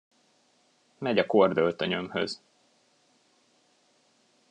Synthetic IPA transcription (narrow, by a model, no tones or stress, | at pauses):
mɛɟɒkord̪ølt̪øɲømhø̰z